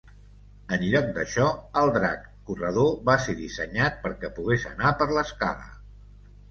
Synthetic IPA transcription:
ənʎɔk̚d̪əʃɔəlˠd̪ɾa̰kːurəð̞oβaseðisəɲat̪̚pəɾkɛpuɣesə̰napəɾləska̰lə̰

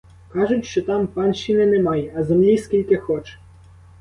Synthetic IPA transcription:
kɑʒʊtʲʃt͡ʃɔt̪ɑmpɑnʃinɛnɛmɑjɛɐzemlʲiskʲilʲkɪxɔt͡ʃɛ̥

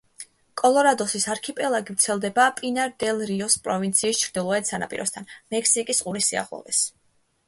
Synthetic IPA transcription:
kʼɔlˠɔɾad̪ɔsisaɾkʰipʼɛlˠaɡivɾt̪sʰɛlˠd̪ɛbapʼinaɾd̪ɛlˠɾiɔspʼɾɔvint̪sʰiːst͡ʃʰɾd̪̥ilˠɔɛt̪sana̰pʼḭɾɔ̰st̪ʰanmɛkʰsikʼisqʼuɾisia̰ʁlˠɔ̰vɛ̰s

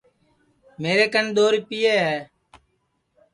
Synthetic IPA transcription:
meːɾeːkənɗ̪oːɾiːpijeːɦɛː

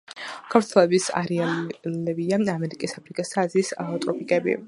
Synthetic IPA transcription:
kʰafɾt̪ʰwɛlɛbisa̰ɾɛalɛbiaamɛɾikʼisapʰɾikʼisazisat̪ʼɾɔpʰʼikʼɛbḭ

